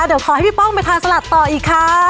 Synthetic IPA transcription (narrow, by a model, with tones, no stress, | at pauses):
di˨˩˦wkʰɔː˨˩˦ha˥˩jpʰiː˦˥˩pɔ˥˩ŋpa˧jt̪ʰaː˧nsa˧la˨˩t̪ːɔː˨˩ʔiː˨˩kʰːa˦˥